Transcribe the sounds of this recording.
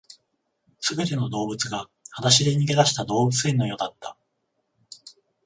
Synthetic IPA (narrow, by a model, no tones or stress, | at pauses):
sɨbe̞t̪e̞no̞d̪o̞ːbɯ̟t͡sɨɡa | hat̪aɕid̪e̞ɲ̟iɡe̞d̪aɕi̥t̪ad̪o̞ːbɯ̟t͡sɨẽ̞nːo̞jo̞d̪at̪ːa